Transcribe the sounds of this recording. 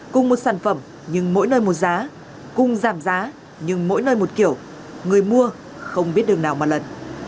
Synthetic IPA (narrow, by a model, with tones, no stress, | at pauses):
kʊ˨ŋ͡mmo˨˩t̚saː˧˩nfə˧˩m | ɲɨ˧ŋmo̰˧˥jnəː˧jmo˨˩t̚zaː˨˦ | kʊ˨˧˩ŋ͡mzaː˧˩mzaː˨˦ | ɲɨ˧ŋmo̰˧˥jnəː˧jmo˨˩t̚ki˧˩əw | ŋɨ˨˩əjmu˧ə | xə˧wŋ͡mɓi˦˥ət̚ɗɨ˨˩ək̚naː˨˩wmaː˨˩lə˨˩n